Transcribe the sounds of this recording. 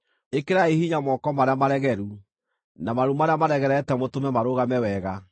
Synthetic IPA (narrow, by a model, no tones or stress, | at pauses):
ekeɾaehiɲamɔkɔmaɾeamaɾɛɣɛɾu | namaɾumaɾeamaɾɛɣɛɾɛtɛmotomɛmaɾoɣamɛwɛɣa